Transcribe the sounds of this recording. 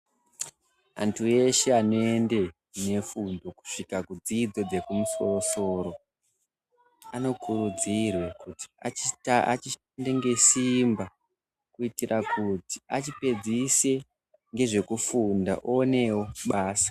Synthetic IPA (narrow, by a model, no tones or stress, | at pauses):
a̰ntʰue̞ʃe̞ano̞e̞nde̞ | ne̞fundo̞ku̥ʂikakud͡ziːd͡zo̞d͡ze̞kumuso̞so̞ːɾo̞ | ano̞kʰuɾud͡zirwe̞kuti̥aia̰t͡ʃiʃaandeŋɡe̞simba | kuitirʔakuti̥a̰t͡ʃipe̞d͡zise̞ | ŋɡe̞ʐe̞kufunda̰ʔoːne̞wo̞ɓaːsḁ